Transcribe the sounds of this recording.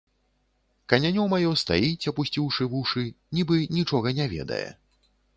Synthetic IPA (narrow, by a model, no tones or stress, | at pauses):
kɐnʲanʲɔmajɔst̪a̰jit͡sʲɐpusʲt͡sʲiwʂɨvuʂɨ | nʲibɨnʲit͡ʂɔɣɐnʲavʲɛ̰d̪ɐ̰jɛ̰